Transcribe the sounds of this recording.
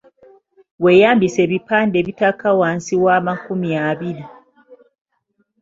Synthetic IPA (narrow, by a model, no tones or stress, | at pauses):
wejaːmbise̞βipaːnde̞ːβitakawaːnsiwaːmakumiaβiɾi